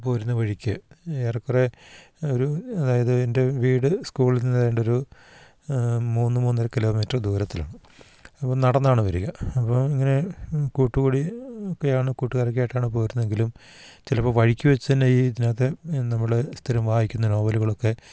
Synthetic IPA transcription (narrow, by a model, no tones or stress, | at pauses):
po̞ːɾunːɐʋɐɻikʲːɨeːrɐkːore | oɾuɐðaːjɐðɨende̞ʋiːɽɨskuːɭilninɐðeːɳɖo̞ɾu | muːnːɨmuːnːɐɾɐkilo̞ːmiːtːɐrd̪uːɾɐt̪ːila̰ːɳɨ | ɐpːomnɐɽɐnːaːɳɨʋɐɾuɣɐɐpːɐmiŋːɐne̞kuːʈːuɣuːɽiokːe̞jaːɳɨkuːʈːuɣaːrik̬ʲːjaːjʈːaːɳɨpo̞ːɾunːɐðe̞ŋɡilum | t͡ɕilɐpːoʋɐɻikʲːuʋɐt͡ɕːut̪ɐnːejid̪inaːt̪ːenɐmːɐɽest̪ʰiɾɐmʋaːhikʲːunːɐno̞ːbɐluɣɐɭokːe̞